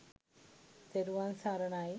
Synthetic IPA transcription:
t̪eɾuʋaːnsaːɾɐɳaːji

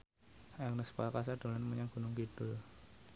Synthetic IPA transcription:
aŋnəspakas̬ad̪̥o̤lanməɲaŋɡ̥ṳnʊŋkid̥ʊl

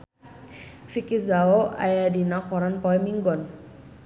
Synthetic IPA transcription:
fikizaoʔa̰jadinakɔɾanpɔɛmiŋɡɔn

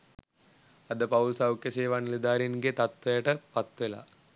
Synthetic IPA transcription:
ɐd̪əpɐwlsɐwkjɐseːʋanilid̪aːɾinɡet̪ɐt̪ʋɐjəʈəpɐt̪ʋela̰

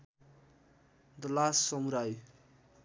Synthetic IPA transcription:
d̪ʌlasːʌmuɾaj

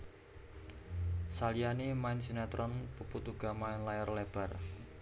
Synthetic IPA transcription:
salijanemaɪnsinat̪ɾʔɔnpuput̪uɡ̥a̤maɪnlajɔrlɛb̥a̤r

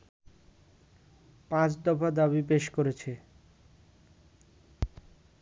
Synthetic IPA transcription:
pãt͡ɕd̪ɔfad̪aβipeʃkoɾet͡ɕʰe

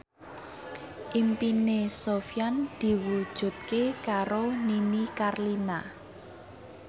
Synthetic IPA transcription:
ʔimpinesofjand̪̥i̤wud̥ʒ̥ṳt̪̚kekaɾoninikarlina

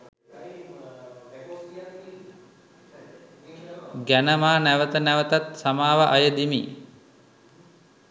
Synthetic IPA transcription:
ɡænəmaːnæʋət̪ənæʋət̪at̪samaːʋəʔajəd̪imḭː

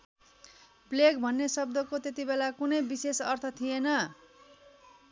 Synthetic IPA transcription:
pleɡbʱʌnːesʌb̚d̪ʌkot̪et̪ibelakunʌjbisesʌrt̪ʰʌt̪ʰijenʌ

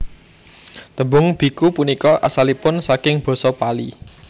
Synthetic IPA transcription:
t̪əbʊŋb̥i̤kupunikɔʔa̰salipʊnsakɪŋb̥ɔ̤sɔpalḭ

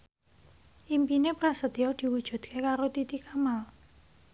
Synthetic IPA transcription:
ʔimpinepɾasət̪iɔd̪̥i̤wud̥ʒ̥ṳd̪̥̚kʰekaɾot̪it̪ikamal

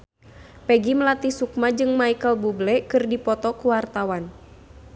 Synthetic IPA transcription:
pɛɡiməlat̪isuk̚mad͡ʒɨŋmaikəlbublɛkɨrdipɔt̪ɔkuwart̪awan

